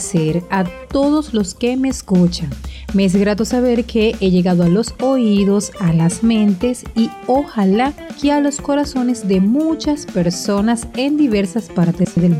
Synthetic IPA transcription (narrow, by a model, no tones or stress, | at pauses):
seɾat̪o̞ðo̞slo̞ske̞me̞ːskut͡ʃaŋmees̬ɡɾat̪o̞saβe̞ɾkʰe̞ʔeʝe̞ɣaðoalo̞so̞iðo̞salasmẽ̞nt̪e̞sio̞halakealo̞sko̞ɾaso̞ne̞zd̪e̞mut͡ʃaspe̞ɾso̞nase̞nd̪iβe̞ɾsaspaɾt̪e̞sðel